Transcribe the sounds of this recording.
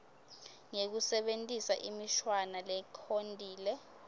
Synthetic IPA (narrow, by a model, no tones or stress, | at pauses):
ŋek̬usɛɓentʼisaʔimiʃwanalɛkʰondʼʱiːlɛ